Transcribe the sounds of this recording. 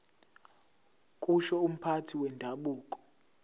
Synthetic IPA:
kʼuʃɔum̩pʰatʰiwɛndʱaɓuːkʼɔ̥

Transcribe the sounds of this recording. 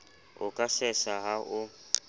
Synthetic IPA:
ʊkʼasɛsaɦaʔʊ

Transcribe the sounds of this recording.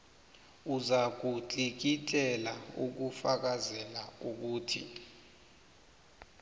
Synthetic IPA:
uzak̬ʼut͡ɬʼik̬itʼɛlauk̬ufak̬azɛlauk̬uːtʰḭ

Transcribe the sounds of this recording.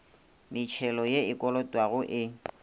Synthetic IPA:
mɪt͡ʃʰɛlɔjeɪkʼɔlɔtʼwaɣʊʔɪ

